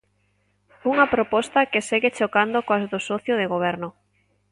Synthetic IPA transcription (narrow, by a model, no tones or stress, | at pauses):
uŋapɾopɔst̪akeseɣet͡ʃokand̪okoazðosɔθjʊðeɣoβ̞ɛɾnʊ